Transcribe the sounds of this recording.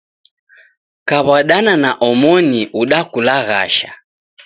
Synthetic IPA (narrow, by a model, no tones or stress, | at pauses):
kaβaɗananaʔɔmɔniʔuɗakulaɣa̰ʃa̰